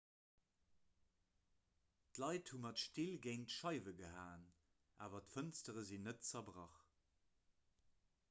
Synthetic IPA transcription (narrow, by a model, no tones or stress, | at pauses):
tlɑɪthumɑtʃtilɡeɪntʃɑɪvəɡəɦaːn | ʔa̰ːvɐtfənstəʁəzinətt͡sɐbʁɑχ